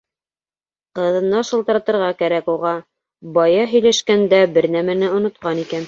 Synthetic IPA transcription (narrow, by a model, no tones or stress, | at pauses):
qɤ̆ðɤ̆nːɑʃɤ̆lˠt̪ɤ̆ɾɑt̪ɤ̆ɾʁɑkæɾækuʁɑ | bɑjɑɦɵ̆jlæʃkænd̪æbɘ̆ɾnæmænɘŏnŏt̪̚qɑnikæn